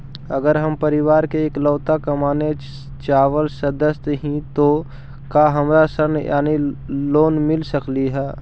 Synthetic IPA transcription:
ɐɡəɾɦɐmpɐɾɪʋaːɾkeːkləːt̪akɐmaːne | t͡ʃaːʋəlsɐd̪əst̪ɦĩt̪o | kaːɦɐmɾasəɾnja̰ːniloːnmɪlsəkliɦɛː

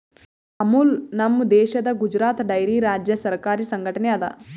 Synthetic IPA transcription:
ɐmulnɐmːd̪ɛːʃɐd̪ɐɡud͡ʒɾaːt̪ɖɐjɾiɾaːd͡ʒjɐsɐɾkaːɾisɐŋɡʱɐʈɐnɛɐd̪ɐ̰

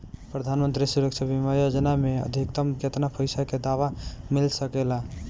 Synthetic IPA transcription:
pɾəd̪ʱanmənt̪ɾisuɾəkt͡ʃʰəbimajod͡ʒnameə̰d̪ʱikt̪əmd͡ʒət̪napʰəjsaked̪aʋamilsəkela

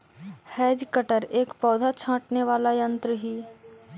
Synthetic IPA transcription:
hɛːd͡ʒkəʈəɾeːkpɔːd̪ʱat͡ʃʰãːʈneʋaːlajə̃nt̪ɾəɦiː

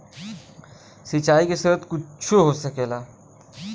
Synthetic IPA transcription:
sit͡ʃaːikesət̪kʊt͡ʃʰuɦosəkelaː

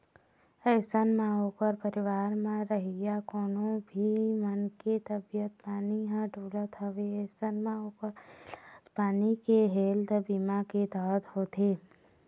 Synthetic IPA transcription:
ɛːsənmãoːkəɾpəɾɪʋaːɾmãɾəɦijakɔːnõbʱimənket̪əbɪjət̪̚paːniɦãʈoːlət̪ɦəʋeɛːsənmãokəɾ | paːnikeɦeːld̪biːmaked̪aːt̪ɦoːt̪ʰeː

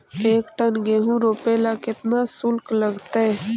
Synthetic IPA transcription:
eːkʈənɡeɦũːɾoːpeːlakɪt̪naːsʊlkləɡt̪eɛː

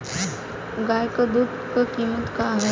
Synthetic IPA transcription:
ɡaːjkəd̪uːd̪kəkiːmət̪kaɦɐ

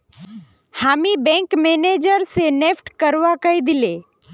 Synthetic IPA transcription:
hamibɛ̃ŋkmened͡ʒəɾsenepʈkəɾʋakəid̪ɪle

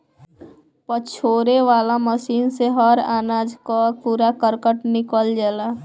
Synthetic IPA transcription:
pət͡ʃʰoːɾeʋaːlaməsiːnseɦəɾaːnaːd͡ʒkɔpuɾakəɾkəʈnɪkəld͡ʒɛːla

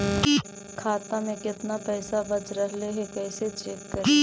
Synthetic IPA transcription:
kʰaːt̪amẽkɪt̪napɛːsabɐd͡ʒɾəɦleɦɛkɛːset͡ʃɛːkːəɾe

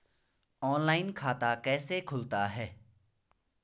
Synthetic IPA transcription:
ɔːnlaːɪnkʰaːt̪akɛːsekʰʊlt̪aɦɛː

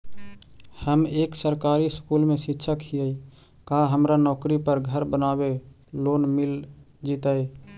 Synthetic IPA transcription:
həmeːksəɾkaɾiskulmẽsitːʃʰəkɦijəj | kaɦəmɾanɔːkɾipəɾɡʱəɾbənabe | loːnmil | d͡ʒit̪əj

